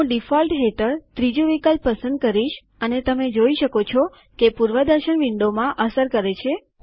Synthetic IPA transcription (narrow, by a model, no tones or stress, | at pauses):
ɖifɔlʈɦeʈəɾt̪ɾid͡ʒuʋikəlpəsə̃nd̪̚kəɾiʃ | ənet̪əmed͡ʒoiʃəkot͡ʃʰɔ | kepuɾʋəd̪əɾʃəɳʋiɳɖomãʔəsəɾkəɾet͡ʃʰe